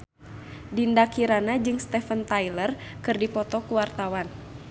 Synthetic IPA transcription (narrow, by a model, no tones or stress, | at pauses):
dindakiɾanad͡ʒɨŋst̪ɛfənt̪ajlərkɨrdipɔt̪ɔkuwart̪awan